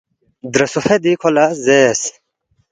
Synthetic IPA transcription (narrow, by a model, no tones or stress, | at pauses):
d̪ɾɐsufed̪ikʰolɐzeːs